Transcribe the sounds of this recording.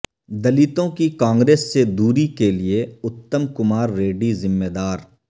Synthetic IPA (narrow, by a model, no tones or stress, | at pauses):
d̪ɐlit̪õkikãːŋɡɾeːsːed̪uːɾikelieʊt̪ːəmkʊmaːɾːeːɖizɪmːeːd̪aːɾ